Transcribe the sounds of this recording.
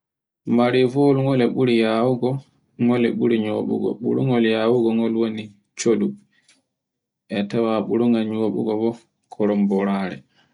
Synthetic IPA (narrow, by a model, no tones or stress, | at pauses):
maɾivɔlŋɔlɛɓuɾijawuɡɔ | ŋɔlɛ̰ɓuɾiɲoːɓṵɡɔ̰ɓṵɾṵŋɔljaːwuɡɔŋɔlwoni | t͡ʃodu | ʔɛtawaɓuɾuŋaɲoɓṵɡɔbɔ | kʰɔɾɔmbɔɾaːɾɛ̰